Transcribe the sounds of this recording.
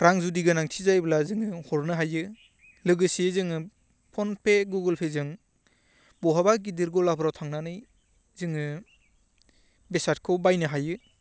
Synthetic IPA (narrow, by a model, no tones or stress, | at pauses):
ɾaŋzudiɡɯnaŋtʰizajblazɯŋɯhɔɾnɯɦajɯ | lɯɡɯsizɯŋɯ | pʰɔnpʰeɡuɡɯlpʰezɯŋ | bɔɦabaɡidiɾɡɔlapʰɾawtʰaŋnanɯj | zɯŋɯ | besat̚kʰɯwbajnɯɦajɯ